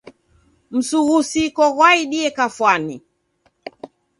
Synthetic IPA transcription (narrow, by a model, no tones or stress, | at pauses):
m̩suɣusikɔɣwaiɗiɛkafwani